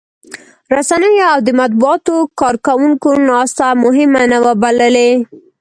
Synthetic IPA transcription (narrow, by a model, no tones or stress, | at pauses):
ɾasanəjoawd̪əmat̪̚buɑt̪okɑɾkawuŋkonɑst̪amʊɦɪmanawəbaləle